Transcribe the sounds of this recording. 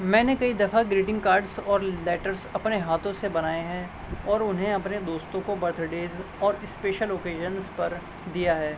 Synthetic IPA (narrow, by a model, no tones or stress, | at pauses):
mɛ̃ːnekɐid̪ɐfaɡɾiːʈɪ̃ŋɡkaːɾɖzɔːɾlɛːʈəɾsɐpneɦaːt̪ʰõsebɐnaːeɦɛ̃ | ɔːɾʊnɦẽɐpned̪oːst̪õkobɐɾt̪ʰɾɖeːzɔːɾɪspeːʃəloːkeːʒənzpɐɾ | d̪ijaɦɛː